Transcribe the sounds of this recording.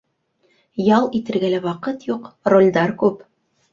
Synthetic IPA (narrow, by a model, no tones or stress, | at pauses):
jɑlˠit̪ɘ̆ɾɡælæwɑqɤt̪juqrolʲd̪ɑɾkʉp